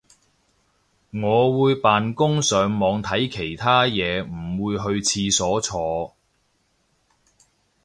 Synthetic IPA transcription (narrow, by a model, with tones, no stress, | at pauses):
ŋɔː˨˧wuː˨˧jpaː˨nkʊ˥ŋsœː˨˧ŋmɔː˨˧ŋt̪ʰɐ˨˥jkʰe˨˩jt̪ʰaː˥jɛː˨˧m̩˨˩wuː˨˧jɦɵ˧ɥt͡sʰiː˧sɔː˨˥t͡sʰɔː˧